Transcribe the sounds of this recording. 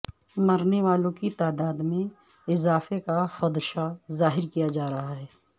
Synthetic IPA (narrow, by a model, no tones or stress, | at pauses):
mɐɾneʋaːlõkit̪aːd̪aːd̪mẽ | ɪzaːfekaxɐd̪ʃazaːɦɪɾkijad͡ʒaːɾɐɦaɦɛː